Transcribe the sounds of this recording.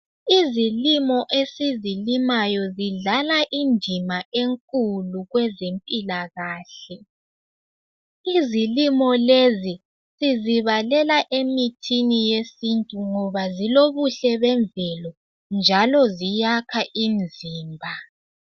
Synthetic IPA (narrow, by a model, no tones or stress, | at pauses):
izilimɔʔesizilimajɔziɮalaʔindʱimaʔeŋkʼuluɣwɛzempʼilaɣaːɬɛ | izilimɔlezi | siziβalɛlaʔemitʰinijesintʼuŋɔβaziloβuɬɛβɛɱvɛlɔ | nd͡ʒʱalɔzijakʰaʔimd͡zʱiːmbʱa